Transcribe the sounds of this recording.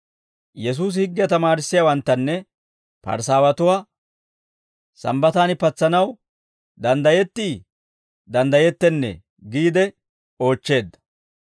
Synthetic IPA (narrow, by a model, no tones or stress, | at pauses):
jɛs̬uːs̬hɪɡːɪjɐt̪ɐmaːɾɪsːɪjaːwɐnt̪ːɐnːɛ | pɐ̰ɾs̬aːwɐt̪ʊwaː | sɐ̰mbɐt̪aːnɪpɐt͡sːɐnɐw | d̪ɐnd̪ɐjɛt̪ːiː | d̪ɐnd̪ɐjɛt̪ːɛnːɛ̰ | ɡiːd̪ɛ | o̞ːt͡ʃːe̞ːd̪ːɐ̥